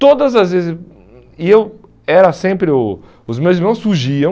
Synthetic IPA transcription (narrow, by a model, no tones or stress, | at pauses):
t̪od̪ɐzɐzvezɪs | ɪew | ɛɾɐsẽpɾɪʊ | ʊzmewziɾmɐ̃w̃sːuɾʒiɐ̃